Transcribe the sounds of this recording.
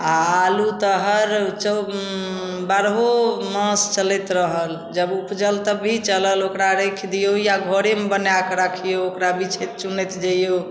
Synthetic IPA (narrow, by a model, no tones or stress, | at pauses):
aːlut̪əɦəɾt͡ʃə | baɾɦomə̃st͡ʃəlet̪ɾəɦəl | d͡ʒəbupd͡ʒəlt̪əbʱit͡ʃələlokɾaɾekʰd̪ijojaɡʱoɾemebənjakɾakʰijookɾabit͡ʃʰet͡ʃunet̪d͡ʒajjo